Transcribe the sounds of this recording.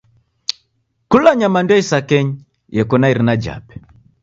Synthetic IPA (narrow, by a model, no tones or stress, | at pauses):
kulaɲamandwaisakɛɲi | jɛkɔnaiɾinad͡ʒa̰pɛ̥